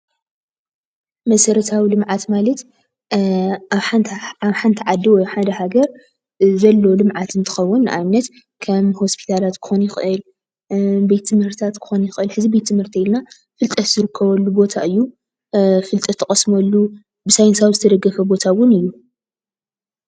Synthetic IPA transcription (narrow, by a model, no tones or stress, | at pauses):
mɐsɐɾɐt̪ʰawilɨmʕat̪malɐt̪ | ħaβħant̪ʰiʕad̪iwɔjħad̪ɐhaɡɐɾ | zɐlːo̞lɨmʕat̪ɨnt̪ʰɨ̥xɐwːʊnːʔa̰jnːɐt̪ | kʰɐmho̞spʰi̥t̪ʰalat̪kʰɨ̥xonjɪxɨʔɨl | bet̪ʰːɨmhɨɾt̪ʰt̪ʰat̪kʰɨ̥xo̞njɪxɨlħɨzibet̪ʰːɨmhɨɾt̪ʰiilna | fɨlt̪ʼɐt̪z̥ɨɾɨkʰːɐβɐlːubo̞t̪ʰaʔɨjːu | fɨlt̪ʼɐt̪ʰːɐχʼɐsmɐlːu | bɨsajnsawzɨt̪ʰɐd̪ɐɡːɐfɐbo̞t̪ʰawʊnɨjːu